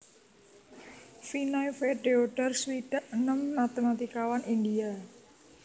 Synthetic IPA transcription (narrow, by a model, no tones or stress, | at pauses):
finajfeɖeoɖ̥arswiɖ̥aʔnəmːat̪emat̪ikawanind̪ia